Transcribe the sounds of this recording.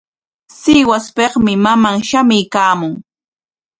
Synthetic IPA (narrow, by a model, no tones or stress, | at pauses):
sɪwaspeχmɪmamaŋʃamɪjkaːmʊŋ